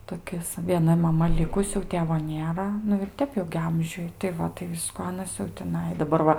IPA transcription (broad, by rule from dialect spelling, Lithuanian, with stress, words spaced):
toːˈkʲɪs ʋʲiɛˈnɐ mɐˈmɐ ˈlʲɪkʊs jɛʊ ˈtʲeːʋoː ˈnʲeːrɐ nʊ ɪr ˈtʲɛp jɛʊ ɡʲɪ ˈɐmʲʒʲʊj tɐɪ ˈʋɐ tɐɪ ˈʋʲɪskʊ ˈɑːnɐs jɛʊ tʲɪˈnɐɪ dɐˈbɐr ʋɐ